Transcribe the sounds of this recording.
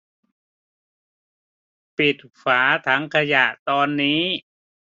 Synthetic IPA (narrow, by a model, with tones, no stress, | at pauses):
pi˨˩t̪̚fʰaː˩˦t̪ʰa˦˥ŋkʰa˧ja˨˩ʔt̪ɔː˧nːiː˦˥